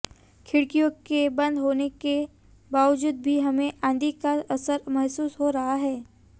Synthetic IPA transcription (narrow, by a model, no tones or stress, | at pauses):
kʰɪɽkijõkebɐ̃nd̪ɦoːneke | baːʋəd͡ʒuːd̪̚bʱiɦɐmẽʔãːnd̪ikaɐsəɾmɐɦsuːsɦoɾɐɦaɦɛː